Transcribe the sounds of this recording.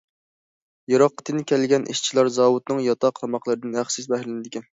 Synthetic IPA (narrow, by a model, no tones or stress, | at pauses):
jɑɾɑqːə̥t̪ʰɨnkʲʰɛlɡʲɛnʔḭʃt͡ʃʰilˠɑɾzɑːwut̪̚nɨŋjɑt̪ʰɑqʰlˠɑmɑqlˠɨɾɨd̪ɨnæχsɪzbɛhlɪnɪd̪ɪkʲɛn